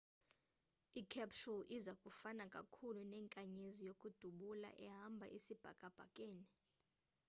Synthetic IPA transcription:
ikʰɛpsulizakʼufanakʼa̰kʰulunɛːŋkʼaɲezijokʼud̥ʱuɓula̰ʔɛɦambʱa̰ʔisib̥ʱa̰kʼab̥ʱakʼeːni

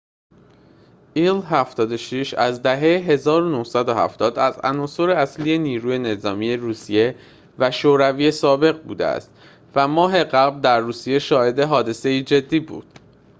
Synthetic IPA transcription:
ʔilhæft̪ɒːd̪o̞ʃiʃæzd̪æɦe̞jeɦe̞zɒːɾonohsæd̪ohæ̰ft̪ɒːd̪æzæ̰nɒːso̞ɾe̞æsliːje̞niːɾuːje̞ne̞zɒːmije̞ɾuːsije̞ | væʃoːɾæviːje̞sɒːbe̞ɣbuːd̪ḛæ̰st̪ | væmɒːɦe̞ɢæbld̪æɾːuːsije̞ʃɒːhe̞d̪e̞ɦɒːd̪e̞se̞iːd͡ʒe̞d̪ːiːbṵːd̪̥

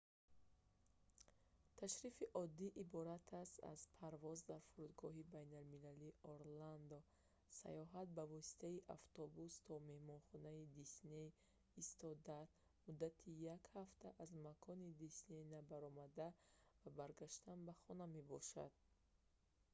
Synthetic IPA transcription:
t̪ʰaʃɾifiʔɔd̪ːiʔibɔɾat̪ʰast̪a̰z̥pʰaɾvɔzd̪aɾfuɾud̪ɡɔɦibajnalmilaliʔɔɾland̪ɔ | sa̰jɔɦat̪̚bavɔsi̥t̪ʰaiʔaft̪ɔbust̪ʰɔme̞hmɔnχɔnaid̪isne | ist̪ɔd̪at̪ | mud̪at̪ʰijakhaft̪ʰaʔazmakʰɔnid̪isne̞nabaɾɔmad̪avabaɾɡaʃt̪anbaχɔname̞bɔʃa̰d̪̥̚

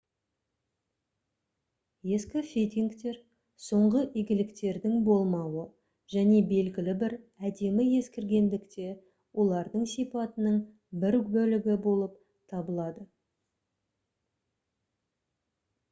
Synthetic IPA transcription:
je̞skʲɪfʲejt̪ʲiŋkt̪e̞ɾ | so̞ɴʁəʔijɡʲɪlɪkt̪e̞ɾd̪ɪŋbo̞lˠmɑwə | ʒ̥æne̞be̞lɡʲɪlɪbɪɾæd̪e̞mɪje̞skʲɪɾɡʲe̞nd̪ɪkt̪e̞ | wʔo̞lˠɑɾd̪əɴsijpɑt̪ənəɴ | bɪɾbɵlɪɡʲɪbo̞lˠəp̚ | t̪ʰɑbəlˠɑd̪ə

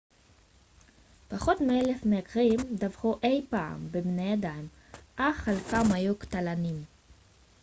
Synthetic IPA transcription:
paχo̞tmeelefmeakʁimd̪avχuʔe̞jpaa̰mbebnejadajm | ʔaχalkamhajuktalanim

